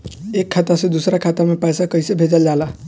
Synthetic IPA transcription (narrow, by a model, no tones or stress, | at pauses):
ekʰːat̪asẽd̪usɾakʰat̪amepajsakəjsebʱed͡ʒəld͡ʒala